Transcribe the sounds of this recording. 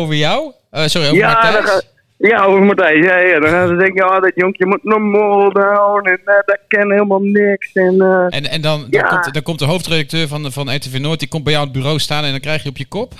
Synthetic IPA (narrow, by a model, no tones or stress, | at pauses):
owvəɹjɔw | əsʊrioːvjaamadɔ | jaovəmatɛjsjajadɔnχaːnsədɛŋkəjːdɔtjoŋkjəmutnɔmɔːlˠdawnɛndɔkɛnheːlˠmalˠnɪksɛnəʔɛnɛndɔnda̰ktdɔkɔmtdəɦowftredək̚tøːɹvɔnvɔnɛtevenoːt̚dikɔm̚bɛjɔwənt̚byːrowstaːnɛndɔnkrɛjxjəɔpjəkɔp